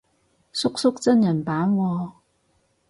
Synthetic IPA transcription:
sʊ˥k̚sʊ˥k̚t͡sɐ˥njɐ˨˩npaː˨˥nwɔː˧

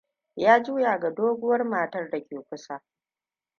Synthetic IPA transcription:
jaː˦d͡ʒuː˦jaː˨ɡa˨doː˦ɡʷʊ˦wɐ˦rmaː˨tɐ˦rda˨kʲeː˨ɸʷʊ˦saː˨

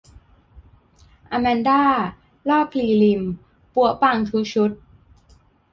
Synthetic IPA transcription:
ʔa˧mɛ˧ndaː˥˩ | lɔː˥˩p̚liː˧˩li˧m | pu˧˩əpa˧ŋt̪ʰu˦˥ɕʰu˦˥t̪̚

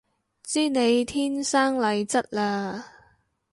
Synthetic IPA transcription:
t͡siː˥ne˨˧jt̪ʰiː˥nsaː˥ŋlɐ˨˧jt͡sɐ˥t̚laː˧

